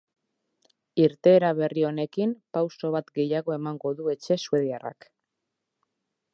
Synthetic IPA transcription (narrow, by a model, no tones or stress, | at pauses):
iɾt̪e̞ːɾaβ̞e̞rio̞ne̞kimpawso̞β̞at̪ɡe̞jaɣo̞e̞maŋɡo̞ðue̞t͡ʃe̞sue̞ðiara̰k